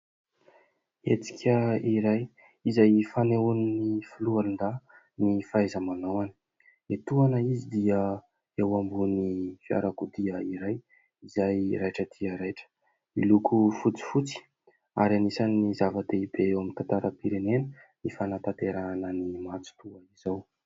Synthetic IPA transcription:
et͡si̥kʲʰəiɾaj | izajfaneuninifulualind̪a | nifajzəmanawani̥ | et̪uanəizid̪iə | ewambunifia̰ɾakud̪iəiɾaj | izajɾajʈ͡ʂəd̪̥iəɾajʈ͡ʂə̥ | ilukufut͡si̥fut͡si̥ | a̰ɾanisanːizavad̪eibeewamint̪ant̪aɾəpiɾenenənifanat̪at̪eɾaanənimat͡su̥t̪uaizaw

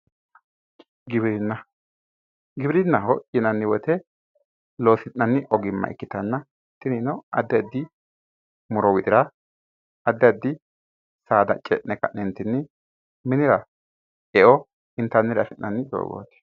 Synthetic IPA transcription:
ɡɪbɾɪnːɐ | ɡɪbɾɪnːɐɦɔʔʼɪnɐnːɪwɔt̪ɛ | lo̞ːsɪnːɐnːɪʔɔɡɪmːɐ̰ʔɪ̰kːɪt̪ɐnːɐ | t̪ːɪnɪnɔɐd̪ːɛd̪ːɪ | mʊɾɔwɪt̪ʼɪɾɐ | ɐd̪ːɛɐd̪ːɪ | saːd̪ɐ̰t͡ʃʼɛ̰ʔnɛkɐ̰ʔnɛnt̪ːɪnːɪ | mɪnɪɾɐ | ɛʔɔ | ɪnt̪ːɐnːɪɾɐsɪnnːɐnːɪd̪o̰ːɡo̰ːt̪ɛ̥

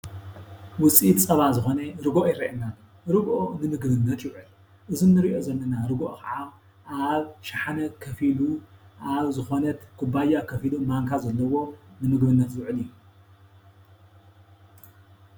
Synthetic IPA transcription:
wʊt͡sʼit̪t͡sʼɐβazɨxo̞nɐɾɨɡoʔjɪɾɐʔena | ɾɨɡʔonɨmɨɡbɨnːɐt̪jɪwʕɨl | ʔɨzinɨɾiʔo̞zɐlːɐnaɾɨɡʔo̰kɐʕa | ʔaβʃaħanɐtkʰɐfiluʔaβzɨxonɐt̪kʰɨbajakʰɐfilumaŋkʰazɐlːɐwo̞nɨnɨɡbɨnːɐt̪jʊʕɨliju

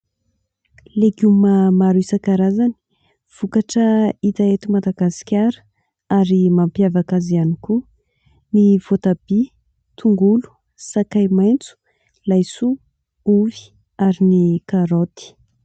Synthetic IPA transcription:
leɡumamaɾisakaɾazani̥ | v̥ukaʈ͡ʂəit̪aet̪umad̪aɡasi̥kʲaɾə̥ | aɾimampjavakazianiku | niv̥ot̪abi | t̪ʰuŋɡulu̥ | sakajmajnt͡su̥ | lajsu | uvi̥ | aɾinikaɾot̪i̥

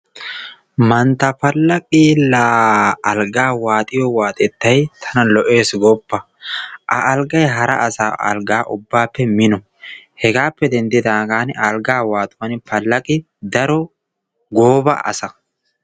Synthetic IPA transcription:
mɐnt̪ɐpɐlːɐkʼilaːɐlɡaːwaːt̪ʼɪjɔwaːt̪ʼɛt̪ːɐjt̪ʰɐnɐlɔʔeːsɡɔpːɐ | ʔɐ̰ʔɐlɡɐjɦɐɾɐ̰ʔɐsaːʔɐ̰lɡaːʔʊbːaːpːɛmɪnɔ | hɛɡaːpːɛd̪ɛnd̪ɪd̪aːɡaːnɐlɡaːwaːt̪ʼʊwɐnpɐlːɐkʼɪ | d̪ɐɾɔ | ɡoːbɐ̰ʔɐ̰sɐ

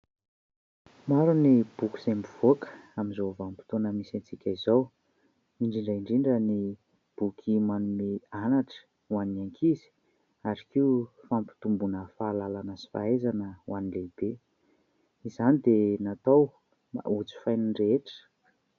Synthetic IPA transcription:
maɾunib̥ukʲi̥zembiv̥okə̥aminzovampi̥t̪onəmisant͡sikʲaizow | iɳɖ͡ʐiɳɖ͡ʐəiɳɖ͡ʐiɳɖ͡ʐəni | b̥ukʰimanumeanaʈ͡ʂə̥ | wanaŋkʰizi̥ | aɾikiu | fampi̥t̪umbunəfaːlalanəsi̥fa̰ezanəwʔanileb̥e | izanid̪enat̪ow | a̰ut͡si̥fajniɳɖ͡ʐeʈ͡ʂə̥

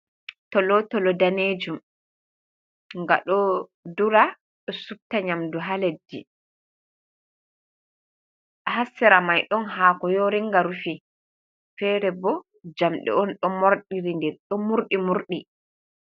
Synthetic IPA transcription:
tɔlɔtɔlɔdaneːd͡ʒum | ŋɡa̰ɗɔduɾa | ɗɔsub̚taɲamduɦaledːḭ | hasːɛɾamajɗɔnɦaːkɔjoɾiŋɡaɾufi | fɛɾɛbɔ | d͡ʒamɗɛ̰ɔnɗɔmoɾɗiɾindɛɗɔmuɾɗimuɾɗi

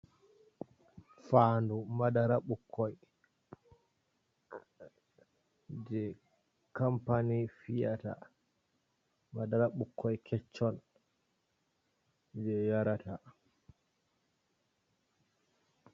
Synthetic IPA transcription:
faːndumadaɾaɓukʰːɔj | d͡ʒɛ | kampanifija̰ta̰ | madaɾaɓukʰːɔjkʰɛt͡ʃːɔn | d͡ʒɛjaɾata

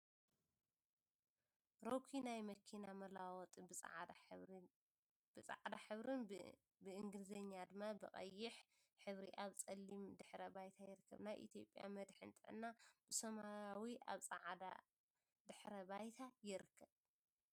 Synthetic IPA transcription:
ɾokʰinajmɐkʰinamɐlawɔt̪ʼbʼʕ | b̥ɨt͡sʼa̰ʕd̪aħɨβɾɨn | bɨʔɨŋɡɨlizɐɲːad̪ɨmːabɨχʼɐ̰jːɪħ | ħɨβɾiʔaβt͡sʼɐlːimd̪ɨħɾɐbajt̪ʰajɪɾɨkːɐ̰βnajʔḭt̪ʰjo̞̰pʼja̰mɐd̪ħɨ̰nt̪ʼɨʕɨnːab̥ɨsɐmaɾawiʔa̰βt͡sʼaʕd̪a̰ | d̪ɨħɾɐbajt̪ʰajɪɾɨkʰːɐβ

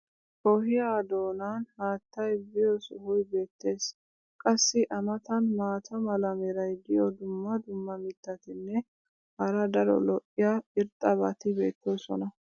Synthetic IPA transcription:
ʔɔɦɪjaːd̪o̞ːnanhaːt̪ːɐjbɪjɔsʊhʊjbe̞ːt̪ːe̞ːs | kʼɐsːɪʔɐmɐt̪ɐnmaːt̪ʰɐmɐlɐmɛɾɐjd̪ɪjɔd̪ʊmːɐd̪ʊmːɐmɪt̪ːɐt̪ɪnːɛ | hɐɾɐd̪ɐɾɔ̰lɔʔːɪjaɪɾt̪ʼːɐbɐt̪ɪbe̞̰ːt̪ːoːsɔ̰nɐ

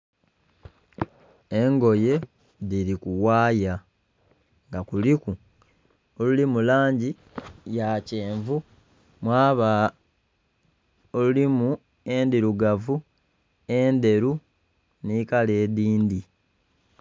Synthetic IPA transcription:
e̞ŋɡo̞je̞ | ðiɾikuwaːja | ŋɡakuliku | olulimulaːɲɟi | jace̞ːɱvu | mwaːβa | olulimu | e̞ndiɾuɡavu | e̞nde̞ɾu | niːkale̞ːdiːndi

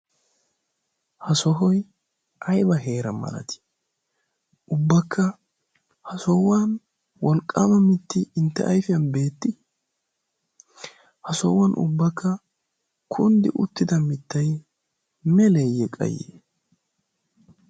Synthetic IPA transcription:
hɐsɔɦɔj | ʔɐjbɐɦe̞ːɾɐmɐ̰lɐ̰t̪ɪ̥ | ʔʊbːɐkʰːɐ | hɐsɔwaːn | wɔlkʼːaːmɐmɪt̪ːɪɪnt̪ːɛ̰ʔɐjfɪjɐnbe̞ːt̪ːɪ | hɐsɔwːɐnʔʊ̰bːɐkʰːɐ | kʰʊnd̪ɪ̰ʔʊt̪ːɪd̪ɐmɪt̪ːɐj | mɛlɛjːɛkʼɐ̰jːḛː

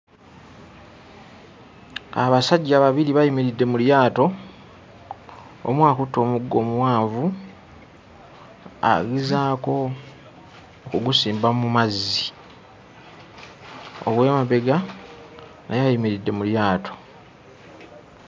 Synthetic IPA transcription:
a̰βasaɟːaːβaβiɾiβajimiɾidːe̞muljaːto̞ | o̰mwaːkutːo̞ːmuɡːo̞ːmuwaːɱvu | a̰ɡizaːko̞ | kuɡusiːmbamumazːi | o̰βwemaβe̞ɡa | nʔa̰jajimiɾidːe̞muljaːtʰo̞̥

